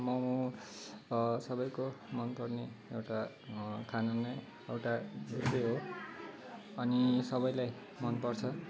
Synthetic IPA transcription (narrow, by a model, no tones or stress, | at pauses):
mʌmũ | sʌbʌjkomʌnpʌrneewʈa | kʰanunːʌj | ewʈadeseɦo | ʌnisʌbʌjlaj | mʌnpʌrt͡sʰʌ